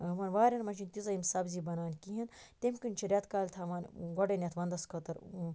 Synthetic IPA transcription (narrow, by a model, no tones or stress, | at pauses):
ʋɐnʋaːɾʲɐnmɐnt͡ʃint̪izɐimsɐbziːbɐnaːnʲkiɦint̪emkɨnʲt͡ʃʰiɾʲɐt̪kaːlʲt̪ʰaʋɐnɡɐɖenʲjɐt̪ʰʋɐnd̪ɐskʰɐt̪ɐɾ